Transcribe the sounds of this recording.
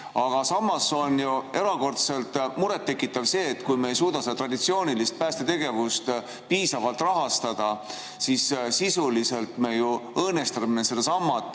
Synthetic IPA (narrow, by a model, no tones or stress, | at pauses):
ɑɡ̥ɑsɑmːɑso̞njue̞ɾɑko̞rt̪se̞lt̪muɾet̪ːe̞kːˑit̪ːˑɑvse̞ːt̪ːkujmeːjsuːd̪̥ɑsed̪ɑt̪rɑd̪̥it̪sio̞ːnilist̪̚pæːst̪e̞t̪e̞ɡ̥e̞vust̪ | piːsɑvɑlt̪ˑrɑɦɑst̪ɑd̪̥ɑ | sissisulise̞lt̪me̞juɤːne̞st̪ɑminesed̪̥esɑmːɑt̪